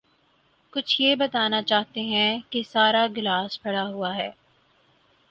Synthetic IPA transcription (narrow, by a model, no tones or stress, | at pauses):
kʊt͡ʃʰjeːbɐt̪aːnat͡ʃaːɦt̪eɦɛ̃kesaːɾaɡɪlaːspʰɐɽaɦuaɦɛː